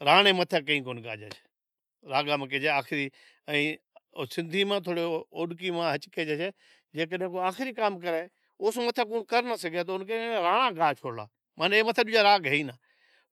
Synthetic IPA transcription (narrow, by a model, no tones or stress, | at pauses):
ɾaːɳeːmət̪ʰeːk̬əĩːkoːnka̰ːd͡ʒa̰ːt͡ʃʰe̥ | ɾaːɡaːmãːkeːd͡ʒeːaːxɪɾiː | əĩːsɪnd̪ʱiːmãːt̪ʰoːɽeːoːɗk̬iːmãːɦət͡ʃkeːd͡ʒet͡ʃeː | d͡ʒeːk̬əɗɦẽkoːaːxɪɾiːkaːmkəɾeː | ʊːsːmət̪ʰeːk̬ũːkəɾnaːsəɡeːt̪oʊnkeɾaːɳ̃ãːɡaːt͡ʃʰoːɽla̰ː | mãːneːmət̪ʰeːɗʊd͡ʒaːɾaːɡɦeiːnaː